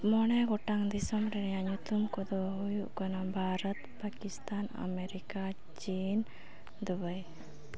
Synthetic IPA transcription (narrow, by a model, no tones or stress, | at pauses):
mɔɽ̃ɛɡɔʈaŋd̪isɔmɾɛnjaɲut̪umkɔd̪oɦujukɔnabʱaːɾət̪pakist̪aːna̰meɾika | t͡ʃiːn | d̪ubəj